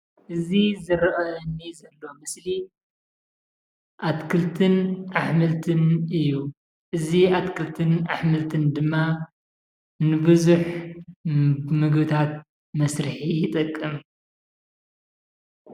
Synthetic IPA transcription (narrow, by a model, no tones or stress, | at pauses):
ʔɨzizɨɾʔɐnːizɐlːo̞mɨsli | ʔat̪kʰɨlt̪ʰɨnʔaħmɨlt̪ʰɨnɨjːu | ʔɨziat̪kʰɨlt̪ʰɨnaħmɨlt̪ʰɨnd̪ɨmːa | nɨbɨzuħ | mɨɡbɨt̪ʰat̪̚ | mɐsɾɨħijɪt̪ʼɨkʼːɨm